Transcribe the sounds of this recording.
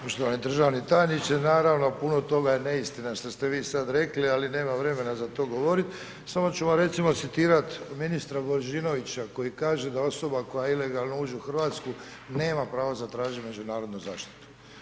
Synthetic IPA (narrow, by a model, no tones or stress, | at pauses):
poʃt̪oʋanid̪r̩ʒaʋnit̪aɲit͡ɕenaːɾaʋno̞punot̪o̞ɡajene̞ist̪inaʃt̪ost̪e̞ʋiːsad̪ɾe̞klialine̞ːmaʋɾe̞me̞nazat̪o̞ːɡo̞ʋo̞ɾit̪ | samo̞t͡ɕumoɾe̞t̪simo̞t̪sit̪iːɾat̪minist̪ɾaboɾʒino̞ʋit͡ɕako̞jikaːʒe̞d̪ao̞so̞bako̞jaile̞ɡalno̞uːd͡ʒuuxrʋaːt̪sku | ne̞ːmapɾaːʋozat̪ɾaːʒime̞d͡ʑunaːɾod̪nuza̰ːʃt̪i̥t̪u̥